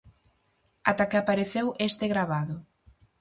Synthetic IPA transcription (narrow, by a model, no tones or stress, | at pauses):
at̪akɪapaɾeθewʔest̪eɣɾaβ̞aðʊ